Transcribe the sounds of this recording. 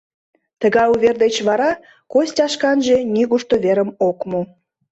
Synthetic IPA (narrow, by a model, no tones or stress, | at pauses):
t̪əɣɑjuβʲerd̪et͡ɕβɑɾɑ | kosʲtʲɑʃkɑnʒe̽nʲiɣuʃt̪oβeɾəmokmo